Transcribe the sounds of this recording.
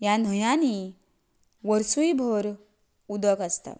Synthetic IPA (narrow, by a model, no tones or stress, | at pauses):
jan̤ɔjani | ʋəɾsuibʱɔɾ | ud̪əkəst̪a̰